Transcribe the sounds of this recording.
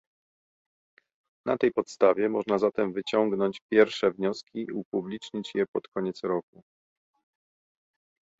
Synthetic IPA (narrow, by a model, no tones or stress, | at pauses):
nat̪ɛjpɔt̪st̪avʲjɛmɔʐnazat̪ɛmvɘt͡ɕɔŋɡnɔɲt͡ɕpʲjɛɾfʂɛvɲɔskʲiiupublʲit͡ʂɲit͡ɕjɛpɔt̪kɔɲɛt̪sɾɔk̚u